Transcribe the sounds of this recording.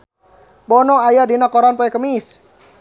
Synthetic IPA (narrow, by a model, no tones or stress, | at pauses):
bɔnɔajadinakɔɾanpɔɛkəmis